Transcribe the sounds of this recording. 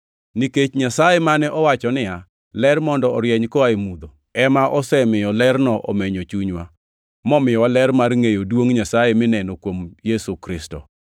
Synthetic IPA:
niket͡ʃɲasajemanɛʔɔwat͡ʃɔnɪa | lɛrmɔndɔɔɾjɛɲkɔaemud̪o | ɛmaʔɔsɛmɪjɔlɛrnɔʔɔ̰meɲot͡ʃuɲwa | mɔmɪjɔwalɛrmarŋejodwoŋɲasajemɪnɛnokwomjesukɾɪstɔ̰

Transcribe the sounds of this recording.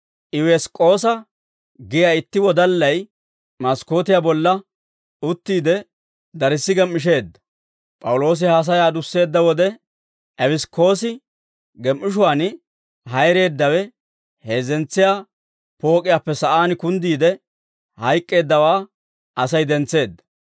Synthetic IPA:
ʔɪwɛskʼːo̞ːsɐ | ɡɪjaːɪt̪ːɪwɔd̪ɐlːɐj | mɐsko̞ːt̪ɪjabɔlːɐ | ʊt̪ːiːd̪ɛ | d̪ɐɾɪsːɪɡɛmːɪʃ̬e̞ːd̪ːɐ̥ | pʼɐwʊlo̞ːs̬ɪhas̬ɐjaːd̪ʊsːe̞ːd̪ːɐwɔd̪ɛ | ʔɛbɪskʰo̞ːsɪ | ɡɛmʔːɪʃ̬ʊwaːn | ɦɐjɾe̞ːd̪ːɐwɛ | he̞ːzɛnt͡sːɪjaː | po̞ːkʼɪjaːpːɛsɐʔaːnkʊnd̪iːd̪ɛ | hɐjkʼːe̞ːd̪ːɐwaː | ɐsɐjd̪ɛnt͡sːe̞ːd̪ːɐ̥

